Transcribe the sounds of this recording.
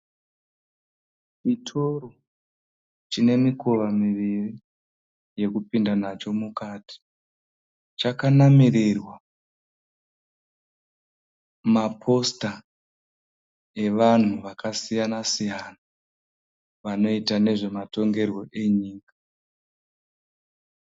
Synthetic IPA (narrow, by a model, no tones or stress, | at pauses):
t͡ʃitʰo̞ɾo | t͡ʃine̞miko̞ʋamiʋiri | je̞kupindanat͡ʃo̞mukaːti̥ | t͡ʃakanamiɾirwa | mapʰo̞sta | e̞ʋan̤uʋakasijanasijana | ʋano̞itane̞ʐe̞mato̞ŋɡe̞rwo̞ʔe̞ɲiːkḁ